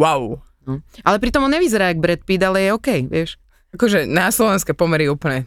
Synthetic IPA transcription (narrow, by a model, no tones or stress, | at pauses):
waʊ | nɔʔalɛpɾit̪ɔmɔnɲɛʋizɛɾaːaɡ̚bɾɛt̪̚pid̪alɛjɛɔkɛjʋɪɛʃ | akɔʒɛnaslɔʋɛnskɛpɔmɛɾiɛuːpl̩ɲɛ